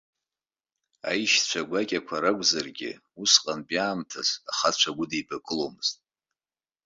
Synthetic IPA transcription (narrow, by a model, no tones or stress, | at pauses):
a̰jʃt͡ʃʷʰaɡʷakʲʼakʷʰaɾaɡʷʼzarɡʲɪ̰ | usqʼanpʼjaːmtʰazaχat͡ʃʷʰaɡʷʊdijbakʼɨlomɨz̥tʼ